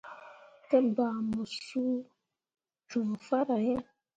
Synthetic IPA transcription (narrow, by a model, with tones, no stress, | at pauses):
tə˦ba˨mo˨su˦ | tu˨fa˦ɾa˨je˦